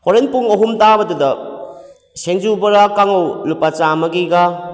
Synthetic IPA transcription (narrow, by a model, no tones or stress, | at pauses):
hoɾenpuŋɐɦumtabɐdudɐ | seŋd͡ʒubɐɾakaŋowlupat͡ʃamɐɡiɡa